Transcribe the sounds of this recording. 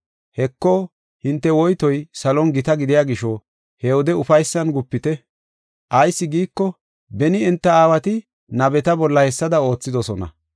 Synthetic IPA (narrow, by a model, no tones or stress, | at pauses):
hɛkːɔ | hɪnt̪ːɛwɔjt̪ɔjsɐlɔnɡɪt̪ɐɡɪd̪ɪjaːɡɪʃɔ | hɛwɔd̪ɛʊfɐjsːɐnɡʊpːɪt̪ɛ | ʔɐjsːɪɡiːkːɔ | bɛnɪɛnt̪ːɐaːwɐt̪ɪ | nɐbɛt̪ɐbɔlːɐhɛsːɐd̪ɐo̞ːt͡sːɪd̪ɔsɔnɐ̰